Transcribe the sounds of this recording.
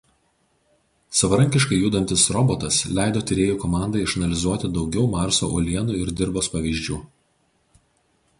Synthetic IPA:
sɐʋɐɾɐ̃ŋʲkʲɪʃkɐɪjuːd̪ɐnʲt̪ʲɪsɾɔbot̪ɐslʲæˑɪd̪oːt̪ʲɪɾʲeːjuːkɔmɑˑnd̪ɐɪɪʃɐnɐlʲɪzuɔt̪ʲɪd̪ɒʊɡʲɛʊmɑˑɾso̰ːʔolʲiɛnuːɪɾd̪ʲɪɾboːspɐʋʲiːʒʲd͡ʒʲuː

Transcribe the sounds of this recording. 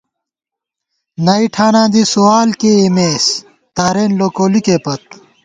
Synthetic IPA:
nɐiʈʰaːnãːd̪isuaːlkeemeːs | t̪aːɾeːnloːkoːlikeːpɐt̪̚

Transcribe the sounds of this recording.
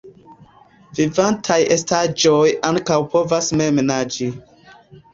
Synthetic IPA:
vivantʰaje̞stad͡ʒojaŋkawpo̞vasmemenad͡ʒi

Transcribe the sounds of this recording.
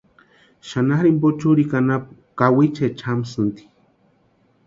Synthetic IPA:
ʃanaxɾimbot͡ʃuɾikanap | kawit͡ʃet͡ʃʰamsɨnt̪i̥

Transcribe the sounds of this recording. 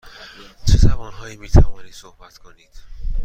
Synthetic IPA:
t͡ʃʰe̞t̪ʰævɒːnɦɒːiːmiːt̪ʰævɒːniːd̪sohbæt̪kʰo̞niːd̪̥

